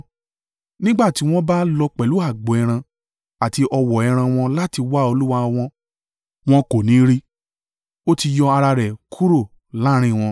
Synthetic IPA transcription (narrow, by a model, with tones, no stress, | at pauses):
nĩ˦ɡ͡ba˦˨ti˨˦w̃ɔ̃˦ba˦lɔ˧k͡pɛ˨lu˨˦a˦˨ɡ͡bɔ˨ɛ˧ɾ̃ã˧ | a˨ti˧ʔɔ˧wɔ˨ɛ˧ɾ̃ã˧w̃ɔ̃˧la˦ti˧wa˦o˧lu˦wa˧w̃ɔ̃˧ | w̃ɔ̃˦ko˨nĩ˨˦ɾi˦ | o˦ti˧jɔ˧a˧ɾa˧ɾɛ˨kʰu˦ɾo˦˨ | la˨˦ɾ̃ĩ˦˨w̃ɔ̃˧